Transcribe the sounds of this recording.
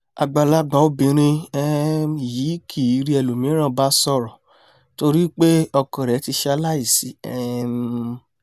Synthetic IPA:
a˨ɡ͡ba˨la˧˦ɡ͡ba˨˦o˦bĩ˨ɾ̃ĩ˧ɛ˦i˨ji˨˦kʰi˨˦ɾi˦ɛ˧˨lu˨mĩ˨˦ɾ̃ã˦˨ba˦sɔ˧˨ɾɔ˨ | to˧ɾi˦k͡pe˦ɔ˧kɔ˨ɾɛ˨˦ti˧ʃɛ˧a˧˦la˦i˦˨si˨˦ɛ˦˨m˧

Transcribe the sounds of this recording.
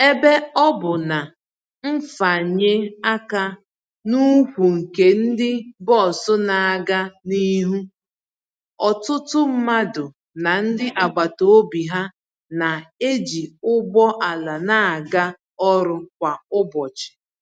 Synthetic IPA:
e˦be˦ɔ˦bʊ˨na˨ | m̩˦fa˨ɲe˦a˦ka˦ | nu˦kʷu˨ŋ̩˨ke˨n̩˦dɪ˦bɔ˦˨sʊ˦na˨a˨ɡa˦ni˦ɦu˦ | ɔ˨tʊ˦tʊ˦m̩˦ma˦dʊ˨ | na˨n̩˦dɪ˦ʔa˨ɡ͡ba˨to˨o˦bi˨ɦa˦ | na˨e˦d͡ʒi˨ʊ˦bɔ˦ʔa˨la˨na˦˨a˨ɡa˦ | ɔ˦ɾʊ˦k̚ʷa˨ʊ˦bɔ˨t͡ʃɪ̥˨

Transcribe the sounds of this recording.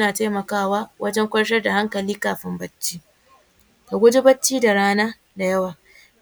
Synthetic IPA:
naː˨taː˦mɐ˨kaː˦waː˦wʔɐ˦d͡ʒɛ˦ŋkʷɐ˦ɽʃɐ˦rda˨ha˦ŋkɐ˨liː˦kaː˨ɸɪ˦mbɐ˦t͡ʃːiː˦ | ka˨ɡʷʊ˦d͡ʒe˦bɐ˦t͡ʃːiː˦da˨ɽaː˦naː˦ | da˨jɐ˦waː˨

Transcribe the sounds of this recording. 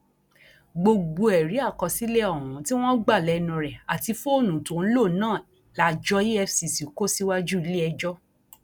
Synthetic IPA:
ɡ͡bo˧ɡ͡bo˧ɛ˨ɾi˨˦a˦˨kɔ˧si˦lɛ˦ɔ̃˦˨ɔ̃˨˦ti˦w̃ɔ̃˦ɡ͡ba˦˨lɛ˨˧nũ˨ɾɛ˨a˨ti˧fo˦o˦˨nũ˨tũ˨n̩˦lo˦˨nãː˦˨ | la˨d͡ʒɔ˦ji˦ɛ˦˧fsi˧si˨ko˦si˦wa˦d͡ʒu˦i˧˦le˦ɛ˧d͡ʒɔ˦

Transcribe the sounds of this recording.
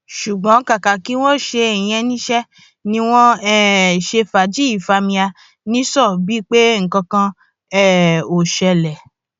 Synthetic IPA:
ʃu˨ɡ͡bɔ̃˨˦ka˨ka˨ki˦w̃ɔ̃˦˨ʃe˧i˨j̃ɛ̃˧nĩ˦ʃɛ˦ | nĩ˧w̃ɔ̃˦ɛ˦˨ʃe˧fa˨d͡ʒi˨˦i˦˨fa˧mĩ˧a˧ | nĩ˦sɔ˦˨bi˦k͡pe˦ŋ̩˨kã˧kã˧ | ɛ˦˨o˨ʃɛ˧lɛ˨

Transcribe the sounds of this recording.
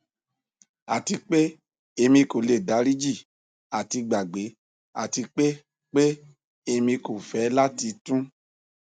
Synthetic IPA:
a̰˨ti˧k͡pe˦ | e˧mĩ˧ko˨le˨da˨˦ɾi˦d͡ʒi˦˨ | a˨ti˧ɡ͡ba˨ɡ͡be˨˦ | a˨ti˧k͡pe˦ | k͡pe˦ | e˧mĩ˧ko˨fɛ˨˦la˦ti˧tũ˦

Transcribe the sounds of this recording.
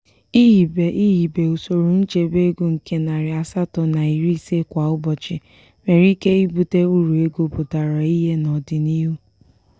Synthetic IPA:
i˦ɦi˨be˨i˦ɦi˨be˨o˨so˨ɾu˨n̩˦t͡ʃe˨be˦ɡu˦ŋ̩˨ke˦na˨ɾɪ˨a˨sa˦tɔ˨na˨i˨ɾi˦se˦kʷa˨ʊ˦bɔ˨t͡ʃɪ˨ | me˨ɾi˦ke˦i˦bu˦te˦u˦ɾu˨e˦ɡo˦pʊ˨ta˨ɾa˨i˦ɦe˦nɔ˨dɪ˨ni˦ɦu˦

